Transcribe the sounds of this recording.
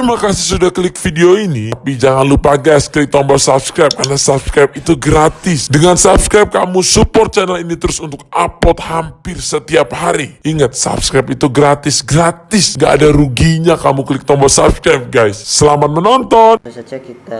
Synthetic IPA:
t̪imakasɪ̥sudahkəlɪk̚fideoinipid͡ʒaŋanlupaɡajskəlɪk̚t̪ɔmbɔsapskɾajp̚karnasapskɾajp̚it̪uɡɾat̪ɪsdəŋansap̚skɾajp̚kamusupɔrt̪̚t͡ʃɛnəlinit̪əɾʊsunt̪ʊk̚apɔt̪̚hampɪrsət̪iap̚haɾiiŋət̪̚sa̰p̚skɾapit̪uɡɾat̪ɪsɡɾat̪ɪsŋɡaʔːdaɾuɡiɲakamukəlɪk̚t̪ɔmbɔsapskɾajp̚ɡajsːəlamat̪̚mənɔnt̪ɔn

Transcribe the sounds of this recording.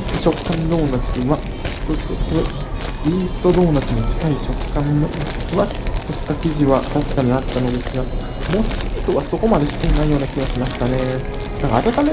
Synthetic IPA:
ɕo̞kːãnd̪o̞ːnat͡ɕi̥βa | t̪oɕi̥oto | iːsɨ̥t̪o̞d̪o̞ːnat͡ɕinot͡ɕi̥kaiɕo̞kːãnːosɨ̥kɯβa | t̪oɕi̥t̪akʲiʑiβat̪aɕi̥kaɲ̟iat̪ːano̞d̪e̞sɨɡa | moːç̥t͡ɕiit̪oβaso̞ko̞mad̪e̞ɕi̥t̪ːeɲinaijo̞ːnakʲiɡaɕimaɕi̥t̪ane̞ | naŋkaːt̪at̪ame

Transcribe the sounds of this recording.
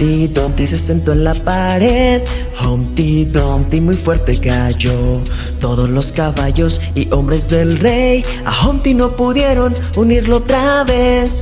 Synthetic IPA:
id̪ont̪ise̞se̞nt̪o̞enlapaɾeð | hont̪id̪ont̪imujfwe̞ɾt̪e̞kaʝo̞ | t̪o̞ðo̞zlo̞skaβaʝo̞s | iʔo̞mbɾe̞zðe̞lre̞j | a̰xont̪ino̞puðje̞ɾo̞n | uniɾloot̪ɾaβe̞s

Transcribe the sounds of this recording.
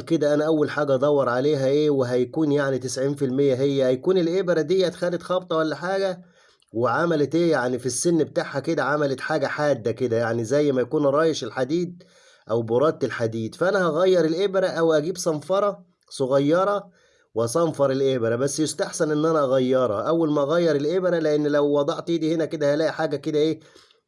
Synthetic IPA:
lked̪æʔænæʔæwːælħaːɡæʔɑd̪ˤɑwːɑɾˤʕaleːɦæʔeːweɦæjækuːnjaʕnit̪ɪsʕiːnfilmejːæɦejːæhæjkuːnelʔebɾæd̪ijːææt̪xæːlet̪xɑb̚t̪ˤɑwælːæħaːɡæ | weʕamælet̪ʔeːjaʕnifisːenːbet̪aʕhæked̪æʕamælæt̪ħaːɡæħaːd̪ːæked̪æjaʕnizæjːmæjækuːnʔɑɾˤɑːjeʃelħad̪iːd̪̚ | ʔæwboɾˤɑt̪ːelħad̪iːd̪fæʔænæhæɣɑjːɑɾˤelʔebɾæʔæwʔæɡiːbsˤɑnfɑɾˤɑ | sˤoɣɑjːɑɾˤɑ | wʔɑsˤɑmfɑɾˤelʔebɾæbæsːjost̪aħsænʔenːʔænæʔɑɣɑjːɑɾˤɑ̰ʔæwːælmæʔɑɣæjːɑɾˤelʔebɾæleʔenːlæwːɑd̪ˤɑʕt̪ːd̪iːhenæked̪æhælæːʔiħaːɡæked̪æʔeː

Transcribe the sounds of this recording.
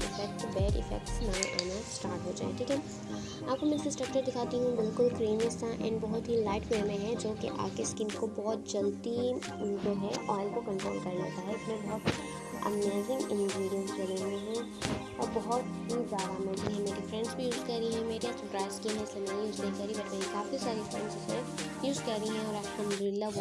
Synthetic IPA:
ɪfɛk̚ʈbɛːɾɪ̰fɛ̰k̚ʈsnaʔa̰ːnasʈaːɾʈɦoːd͡ʒa̰ːḛʈʰiːkɛ | aːp̚komɛ̃ɪsesʈɾɐk̚t͡ʃəɾd̪ɪkʰaːt̪iɦũbɪlkʊlkɾiːmɪst̪ãʔɛ̰̃ɳɖbɔɦʊt̪ɦilaɪʈfemẽɦɛd͡ʒoːkḛʔa̰ːkeskiːmkobɔɦɔt̪̚d͡ʒɐlt̪i | d͡ʒoːɦɛʔɔːɪlkokɐ̃mʈɾo̰ːlkɐɾla̰ːt̪aɦɛʊsmẽbɔɦʊt̪ | ɐ̰meːzɪ̃ŋɡɪ̃nɡɾiːɾiə̃nsɡɐɾeẽɦɛ̃ | ɔːɾbɐɦʊt̪ɦizjaːd̪anɔːɡiɦɛ̃meːɾifɾɛ̃ɳɖsbʱijuːzkɐɾɾiɦɛ̃meːɾiɛsɐɾpɾaːɪzkiɦɛ̃ɪslemɛːnjuːznɐɦĩkɐɾːibɐɾt̪aːĩkaːfisaːɾifɾɛ̃ɳɖzʊsmẽ | juːzkɐɾːiɦɛ̃ɔːɾaːkãmɾɪlːa

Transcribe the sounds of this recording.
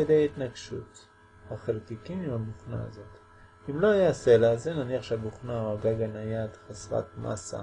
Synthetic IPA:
edejait̪naɡʃṵt̪ | haχelkikimimhabuχna̰a̰zo̞t | imlo̞ajase̞laːzenaniaχʃeabuχnaoaɡaɡanajadχasʁa̰t̪mʔa̰sa̰

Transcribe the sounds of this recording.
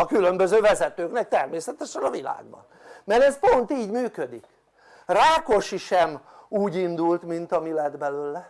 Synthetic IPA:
ɒkylømbøzøːvɛzɛt̪øːknɛk̚t̪ɛrmeːsɛt̪ɛʃɛnɒvila̰ːɡbɒ̰n | mɛɾɛspo̞nt̪iːɟmyːkød̪ik | raːko̞ʃiʃɛm | uːɟind̪ult̪mint̪ɒmilɛd̪bɛløːlɛ

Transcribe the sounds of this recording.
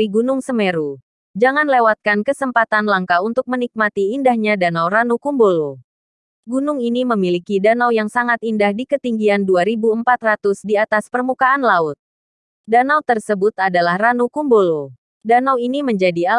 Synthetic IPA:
iɡunʊŋsəmeɾu | d͡ʒaŋanlewat̪̚kankəsəmpat̪anlaŋkaunt̪ʊk̚mənik̚mat̪iːndahɲadanawɾanukumbolo | ɡunʊŋiniməmilikidanawjaŋsaŋat̪indahdikət̪iŋɡianduaɾibuəmpat̪rat̪ʊsdiat̪aspərmukaanlaʊt̪̚ | danawt̪ərsəbʊt̪adalahranukumbolo | danawiniməɲd͡ʒadia

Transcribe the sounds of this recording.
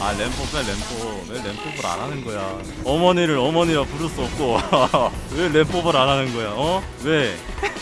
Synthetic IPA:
ale̞mp͈obeɭe̞mp͈ʰo | wele̞mpʰobɯɾa̰nanɯnɡʌja | ʌmʌɲiɾɯɾʌmʌɲiɾapuɾɯs͈uʌp̚k͈o | wele̞mp͈obɯɾanɦanɯnɡʌjaʌ | we̞

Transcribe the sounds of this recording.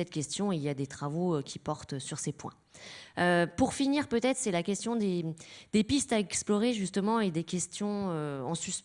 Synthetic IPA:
ɛt̪kʲɛst̪jɔ̃iljad̪et̪χavoøkʲipɔʁt̪syʁsepwɛ̰̃ | øpuʁfiniʁpøt̪ɛt̪χsɛlakʲɛst̪jɔ̃d̪ed̪̥epist̪aɛksplɔʁeʒyst̪əmɑ̃ed̪ekʲɛst̪jɔ̃øɑ̃sys

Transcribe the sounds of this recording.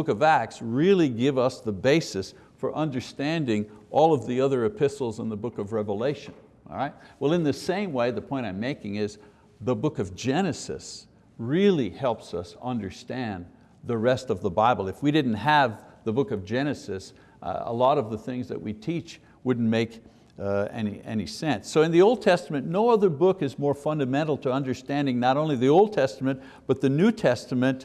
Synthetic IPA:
bʊkʌvæk̚tsɹɪlˠiɡɪvʌsðəbeɪsɨs | fə˞ʔʌ̃ndə˞stæ̃ndɪ̃ŋʔɔlˠʌvðiʌðə˞ɨpʰɪsl̩ˠzə̃nðəbʊkʌvɹɛvəleɪʃɨ̃n̰ | ɹaɪt̚wɛlˠɨ̃nðɨsẽɪ̃mweɪðɨpʰɔ̃ɪ̃ɾ̃ãɪ̃meɪkɪ̃ŋɪz | ðəbʊkʌvd͡ʒɛñɨsɨ̰s | ɹɪlˠihɛlˠpsʌsʌ̃ndə˞stæ̃n | ðəɹɛstʌvðəbaɪbl̩ˠɨfwiɾɪdⁿn̩t̚ɦəvðəbʊkʌvd͡ʒɛñɨsɨs | ə̰lɔɾʌvðəθɪ̃ŋzðɨ̰ʔ̚witʰit͡ʃ | wʊdⁿn̩meɪk | ɛ̰niʔɛ̰nisɛ̃nsːoʊɨ̃nðioʊlˠd̚tʰɛstəmɨ̃nnoʊʌðə˞bʊkɨzmɔɹfʌ̃ndɨmɛ̃ɾ̃l̩ˠtʰəʌ̃ndə˞stæ̃ndɪ̃ŋnəɾõʊ̃nliðioʊlˠd̚tʰɛstəmɨ̃n | b̥ʌt̪̚ðɨnʉtʰɛstəmɨ̃n

